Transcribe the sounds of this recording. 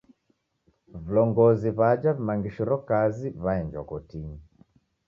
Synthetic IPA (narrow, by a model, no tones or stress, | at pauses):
vulɔŋɡɔziβad͡ʒavimaŋɡiʃɔɾɔkaziβaɛnd͡ʒa̰kɔtiŋi